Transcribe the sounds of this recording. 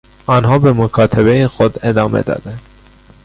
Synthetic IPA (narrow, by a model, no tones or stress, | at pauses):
ɒːnɦɒːbe̞mokʰɒːt̪ʰebe̞jexod̪e̞d̪ɒːmḛd̪ɒ̰ːd̪̥ænd̪̥